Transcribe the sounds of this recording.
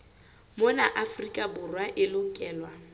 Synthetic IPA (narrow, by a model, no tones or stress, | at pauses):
mʊnaʔafrikʼabʊrwaʔɪloŋ̩kʼɛːlwa